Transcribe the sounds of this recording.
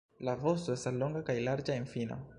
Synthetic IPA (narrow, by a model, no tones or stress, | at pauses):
lavostoe̞staslo̞ŋɡakajlaɾd͡ʒaenfino̰